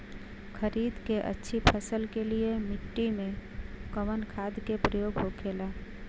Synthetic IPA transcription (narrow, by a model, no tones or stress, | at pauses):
kʰəɾiːd̪keʔə̰tːʃʰipʰəsəlkeliemɪʈːimẽkəʋənkʰaːd̪kepɾəjoːɡɦokʰeːlaː